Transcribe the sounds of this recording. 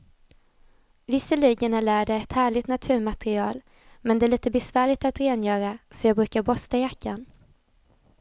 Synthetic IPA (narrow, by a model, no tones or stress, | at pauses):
vɪsːəliːɡənæɭæːɖɛɛt̪hæːɭɪɡt̪nat̪ʰʉ̟ːɾmat̪ɛɾɪɑːl | mɛnd̪ɛæɭiːt̪əbɛsvæːɭɪɡ̚t̪at̪ɾeːnjœːɾasɔjɑːɡbɾʉ̟ːkaɾbɔst̪ajakːan